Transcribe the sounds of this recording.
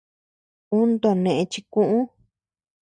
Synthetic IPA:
u˦nd̪o˨˧nẽ˨ʔẽ˧t͡ʃi˧kũ˦ʔũ˦

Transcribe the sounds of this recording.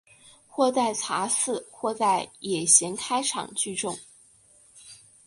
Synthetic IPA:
xwɔ˥˧t͡sa˥˩ɪt͡sʰa˧˥sɹ̩˥˧xwɔ˥˧t͡sa˥˩ɪjɛ˨˩ɕjɛ˧˥nkʰa˥ɪʈ͡ʂʰɑ̰˨˩ŋt͡ɕy˥˧ʈ͡ʂʊ˥˧ŋ

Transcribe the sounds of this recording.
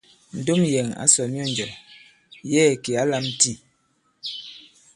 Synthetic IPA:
n̩˨do˦mjɛ˨ŋa̰˨˦sɔ˨mjɔ˦˨nd͡ʒɔ˨ | jɛː˦˨ke˨a˦la˦mti˦˨

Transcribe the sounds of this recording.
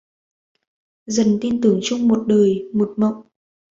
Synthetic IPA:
zə˨˩nt̪i˧nt̪ɨ˨˩˦əŋt͡ɕʊ˧ŋ͡mmo˨˩t̚ɗəː˨˩jmo˨˩t̚mə̰˧˨wŋ͡m

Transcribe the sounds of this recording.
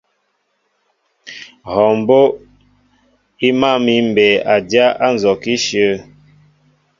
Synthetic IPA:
hɔ˨m˨bo˦ | i˦ma˦˨mi˦m̩˨bɛ˨a˨dja˦a˦n˨zɔ˨ki˦ʃjə˦

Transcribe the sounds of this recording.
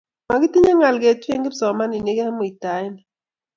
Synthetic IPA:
ma˨ɡi˦ti˦ɲa˦ŋa˨lɡe˨˦twe˦ŋɡe˦bsɔ˨ma˦ni˨ne˦kɛ˦mo˨i˨ta˨˦i˦ni˨

